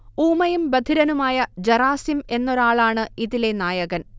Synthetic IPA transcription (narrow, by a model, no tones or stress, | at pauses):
uːmɐjumbɐd̪ʱiɾɐnumaːjɐd͡ʑɐraːsjime̞nːo̞ɾaːɭaːɳɨiðile̞naːjɐɣɐn